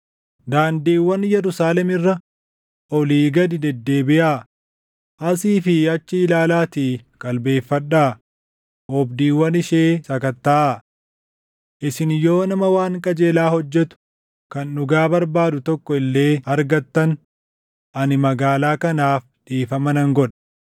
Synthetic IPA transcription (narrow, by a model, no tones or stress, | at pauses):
d̪aːnd̪iːwːɐnjɛɾʊsaːlɛmɪrːɐ | ʔɔliːɡɐd̪ɪd̪ɛd̪ːe̞ːbɪʔaː | ʔɐsiːfɪɐt͡ʃːɪɪlaːlaːt̪iːkʼɐlbe̞ːfːɐᶑːaː | ʔɔbd̪iːwːɐnɪʃe̞ːsɐkɐt̪ːaːʔ | ʔɪsɪnjo̞ːnɐmɐwaːŋkʼɐd͡ʒe̞ːlaːhɔd͡ʒːɛt̪ʊ̥ | kɐnːʊɡaːbɐɾbaːd̪ʊt̪ɔkːɔɪlːe̞ːɐɾɡɐt̪ːɐn | ʔɐnɪmɐɡaːlaːkɐnaːf | d̪̥iːfɐmɐnɐŋɡɔᶑɐ̥